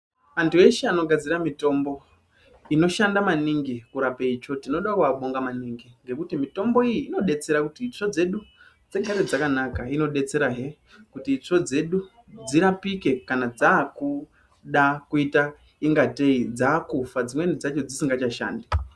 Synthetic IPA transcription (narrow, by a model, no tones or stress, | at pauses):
ʋantue̞ʃeano̞ɡʱad͡ziɾamito̞mbo̞ | ino̞ʃandamaniŋɡikuɾapeit͡ʃo̞tino̞ɗakuʋaɓo̞ŋɡamaniŋɡiŋɡe̞kutimito̞mbo̞ijiːno̞ɗe̞t͡se̞ɾakutit͡ʂo̞d͡ze̞ɗu | d͡ze̞ɡʱaɾe̞d͡zakanakaino̞ɗe̞t͡se̞ɾaɦe̞ | kutit͡ʂo̞d͡ze̞ɗu | d͡ziɾapike̞kanad͡zaːku | ɗakuita | iŋɡate̞id͡zaːkufad͡zimwenid͡zat͡ʃo̞d͡zisiŋɡat͡ʃaʃa̰ːndi